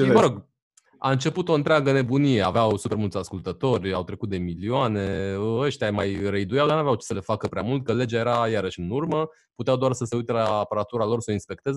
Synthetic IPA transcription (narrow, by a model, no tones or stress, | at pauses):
bəɾoɡ | a̰ɨnt͡ʃe̞put̪o̞ɨnt̪ɾʲaɡəne̞bunije̞a̰veawsupermult̪sʲaskult̪ət̪o̞rʲawt̪ɾe̞kut̪̚d̪e̞milioane̞əəʃt̪ʲamajɾeid̪ujalnaveawt͡ʃe̥səle̞fakəpɾʲeamult̪̚kəle̞d͡ʒajeɾajaɾəʃɨnurmə | put̪eawd̪oarsəse̞ujt̪elaːpəɾat̪uɾalo̞rsəinspe̞k̚t̪e̞z